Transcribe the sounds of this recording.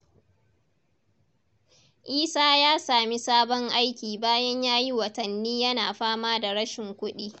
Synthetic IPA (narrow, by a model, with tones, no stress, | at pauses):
ʔiː˦saː˦jaː˦saː˨mi˦saː˦bɔ˦ŋʔa˦jkʲiː˨baː˦jɐ˦ɲjaː˦ji˦wɐ˨tɐ˨nːiː˦jɐ˦naː˨ɸaː˦maː˦da˨ɾɐ˦ʃɪ˨ŋkʷʊ˦ɗiː˦